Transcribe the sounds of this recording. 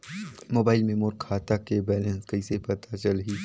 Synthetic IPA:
moːbaːɪlmẽmʊɾkkʰːaːt̪akebɛːlẽːnskɐɪsepɐt̪at͡ʃɐlɦiː

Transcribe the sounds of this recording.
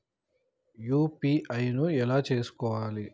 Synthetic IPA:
juːpiːʔɐjnuɛlaːt͡ʃe̞ːsu̥kɔːʋaːli

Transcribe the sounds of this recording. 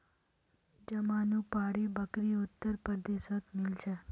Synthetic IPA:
d͡ʒəmanũpaɽibəkɾiʊt̪ːəɾpɾəd̪esət̪mɪlt͡ʃʰe

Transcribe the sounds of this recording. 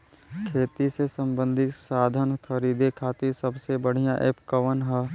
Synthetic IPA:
kʰeːt̪isesə̃mbə̃nd̪ʱɪksaːd̪ʱənkʰɐɾiːd̪ekʰaːt̪iɾsɐbsebəɽ̤ijãʔeːpkəʋənɦɛ

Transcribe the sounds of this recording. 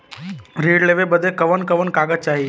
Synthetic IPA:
ɾeːɖleʋebəd̪ʱekəʋənkəʋənkaːɡət̪̚t͡ʃaːɦi

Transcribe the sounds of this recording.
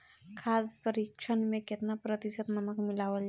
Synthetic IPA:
kʰad̪pəɾikʃʰənmẽket̪napɾət̪isət̪nəməkmilaʋəld͡ʒ

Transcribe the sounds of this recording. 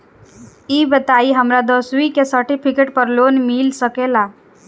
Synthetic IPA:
iːbət̪aːiɦəmɾad̪əswikesəɾʈipʰikeʈ̚pəɾloːnmilsəkelaː

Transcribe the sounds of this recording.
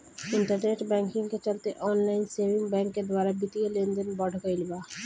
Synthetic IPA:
iɳʈaɾneʈbɛŋkiŋket͡ɕalt̪eʔɔnlajnsebiŋbɛŋkeɾd̪waɾabit̪iolend̪enbɔɖʱokailba

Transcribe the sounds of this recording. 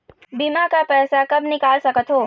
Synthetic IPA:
bimakapɛːsakɐbnɪkaːlsɐkət̪ɦoː

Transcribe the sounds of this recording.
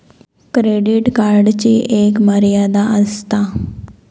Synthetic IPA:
kɾeːɖɪʈkaːɾɖt͡ʃiʔeːkməɾɪjaːd̪aːəst̪aː

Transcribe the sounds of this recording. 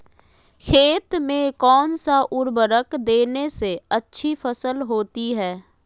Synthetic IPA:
kʰeːt̪mẽkɔːnsaʔʊɾbəɾəkd̪eːneseətːʃʰifəsəlɦoːt̪iɦɛː

